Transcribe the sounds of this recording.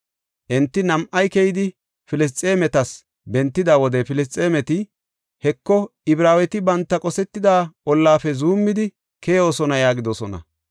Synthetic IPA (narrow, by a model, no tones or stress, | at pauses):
ʔɛnt̪ːɪnɐmʔɐjkɛjɪd̪ɪ | fɪlɪs̬t͡sʼeːmɛt̪ɐs | bɛnt̪ːɪd̪aːwɔd̪ɛfɪlɪs̬t͡sʼːeːmɛt̪ɪ | hɛkːɔɪbɾaːwɛt̪ɪbɐnt̪ːɐkʼɔsɛt̪ːɪd̪aːɔlːaːfɛzuːmːɪd̪ɪ | kʰɛjoːsɔnɐjaːɡɪd̪ɔsɔnɐ̰